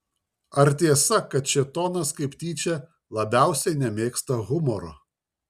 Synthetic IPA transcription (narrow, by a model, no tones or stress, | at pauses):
ɐɾt̪ʲiɛsɐkɐt̪̚t͡ʃʲɪt̪oːnɐskɐɪpt̪ʲiːt͡ʃʲɛ | lˠɐbʲæˑʊsʲɛɪnʲɛmʲeːkst̪ɐɣʊmɔɾo